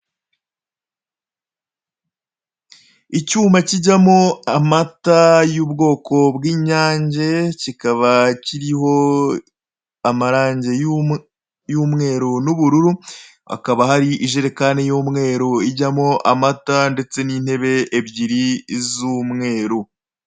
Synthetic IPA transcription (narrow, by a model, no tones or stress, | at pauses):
icuːmaciɟamoamatajuːbɡo̞ːkʰo̞bɡiːɲaːɲɟecikaβaciɾiɦo̞ | amaɾaːɲɟe̞j | juːmŋe̞ːɾonuβuɾuɾu | a̰kaβahaɾiʔiʒeɾekanejoːmŋe̞ːɾoiɟamoʔamatande̞t͡se̞nin̥he̞βe̞ʔːbɟiɾizumŋe̞ːɾo